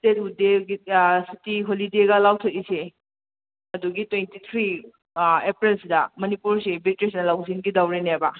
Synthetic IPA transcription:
tetudeɡisitiɦolideɡɐlawtʰɐt̚ise | ɐduɡitwentit̪ʰɾi | epɾelsidɐmɐnipuɾsibitɾis̬nɐlawzinɡidawɾenabɐ

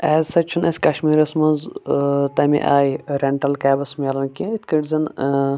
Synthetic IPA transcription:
ɛːzsɐt͡ʃʰunɐsʲkɐʃmiːɾɐsmɐnzt̪ɐmḭʔaːjɾeɳʈɐlkaːbɐsmʲelɐnkʲiit̪ʰkɐʈzɐn

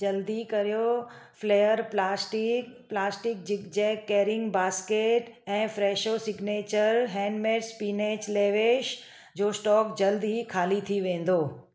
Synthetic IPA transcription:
d͡ʒɐld̪ikɐɾijofleːjəɾplaːsʈiplaːsʈɪk̚d͡ʑɪkd͡ʑɛːkːeːɾɪ̃ŋɡbaːskeːʈɛ̃ːfɾɛːʃosɪɡneːt͡ɕəɾɦɛ̃ːnmeːʈspiːneːt͡ɕleːʋeːʃ | d͡ʑoːsʈɔːkd͡ʑɐld̪ɦikʰaːlit̪ʰiʋẽːn̆d̪oː

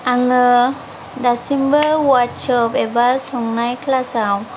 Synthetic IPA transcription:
aŋɯ | dasimbəwatsɔpɛbasɔŋnajkʰlasaw

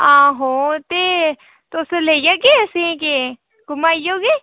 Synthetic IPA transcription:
ãːɦot̪e | t̪oːselejaɡesẽke | ɡʊmaːjoːɡe

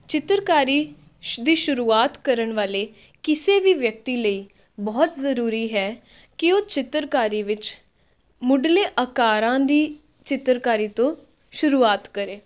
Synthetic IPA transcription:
t͡ʃɪt̪ɾkaːɾiː | d̪iːʃʊɾuːaːt̪kəɾəɳʋaːleː | kɪseːʋiːʋjək̚t̪iːləiː | bɔːt̪zəɾuːɾiːɦɛː | kɪoːt͡ʃɪt̪ɾkaːɾiːʋɪt͡ʃ | mʊɖleːʔəkaːɾãːd̪iː | t͡ʃɪt̪ɾkaːɾiːt̪õː | ʃʊɾuːaːt̪kəɾeː

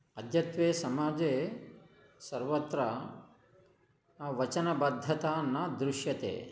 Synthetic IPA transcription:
ɐd̪ʱjɐt̪ʋeːsɐmaːd͡ʒeː | sɐɾʋɐt̪ɾɐ | naʋɐt͡ʃɐnɐbɐd̪ʱːɐt̪aːnːɐd̪ɾuʃjɐt̪ḛː

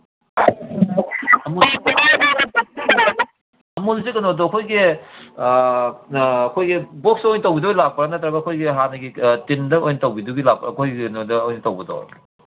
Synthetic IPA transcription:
ɐmusikɐ | ɐmulzikɐnodokʰojɡi | ɐkʰojɡibok̚sojntɐwbidoilak̚pɐɾanɐtɾɐbɐkʰojɡiɦanɐɡitindɐojnɐtɐwbiduɡilak̚pkʰojɡinodɐojnɐtɐwbɐdo̰

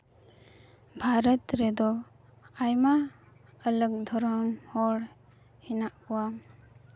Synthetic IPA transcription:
bʱaɾət̪ɾɛd̪ɔ | ajmaː | lək̚d̪ʱɔɾɔmhɔɽ | hinaʔkuwa

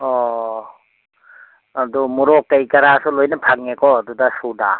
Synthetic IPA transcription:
ɔ | adumuɾɔkːajkaɾasɔlojnapʰaŋ̚ːekɔːdudasuna

